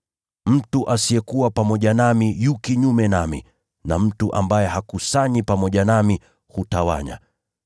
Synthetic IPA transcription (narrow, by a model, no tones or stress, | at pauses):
m̩tuʔasiɛkuwapamɔʄanamijukiɲumɛnamḭ | na̰m̩tuʔa̰mbajɛɦakusaɲipamɔʄanami | hutawa̰ɲa̰